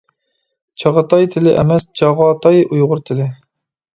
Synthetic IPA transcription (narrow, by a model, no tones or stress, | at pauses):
t͡ʃʰɑʁət̪ɑjt̪ʰɪlɪʔɛ̰mɛst͡ʃʰɑʁɑːt̪ʰɑjujʁʊɾt̪ʰɪlɪ